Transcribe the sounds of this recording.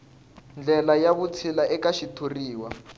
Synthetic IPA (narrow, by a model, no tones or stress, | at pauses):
nd͡ɮʱɛlajaβut͡sʰilaɛkaʃitʰuriːwa